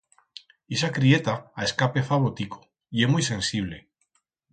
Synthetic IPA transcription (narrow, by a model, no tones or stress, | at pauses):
esakɾiet̪aaeskapefaβot̪iko̥ | iemujsẽ̞nsiβ̞le̞̰